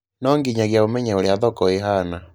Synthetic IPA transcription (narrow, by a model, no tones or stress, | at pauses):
nɔŋɡiɲaɣjaomɛɲɛoɾeaðɔkɔeɦana